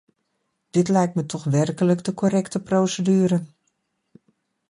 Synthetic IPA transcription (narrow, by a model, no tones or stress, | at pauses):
d̥ɪtlɛjktmətʰɔxʋɛrkələkdəkʰoɾɛktəprowsədyːɾə